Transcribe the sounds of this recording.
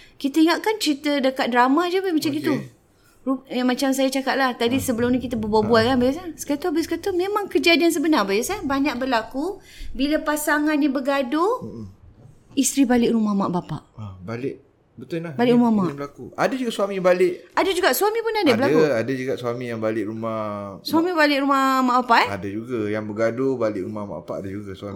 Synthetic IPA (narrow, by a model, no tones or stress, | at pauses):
kit̪əiŋatʔ̪̚kant͡ʃəɾit̪ədəkat̪̚dɾamad͡ʒubemat͡ʃamɡit̪u | rujaŋmat͡ʃamsajat͡ʃakat̪̚laht̪adisəbəlʊmɲikit̪əbəbabuat̪̚kanbajasasə̥kat̪ubeskat̪umemãŋkəd͡ʒadians̬əbənarbajasabaɲak̚bərlaku | bilapasaŋanːibəɡadʊ | ist̪ɾibalɪʔɾumahmaʔbapa̰ʔabalɪʔ | bət̪ʊlabalɪʔɾumamabəlakuadad͡ʒuɡasuamĩbalɪʔadad͡ʒuɡaʔsuamĩpʊnadabəlakuadad͡ʒuɡaʔsuamĩjaŋbalɪʔɾumahsuamĩbalɪʔɾumahmaʔbapaʔɛadad͡ʒuɡajaŋbəɡadobalɪʔɾumahma̰ʔbapa̰ʔadad͡ʒuɡaswa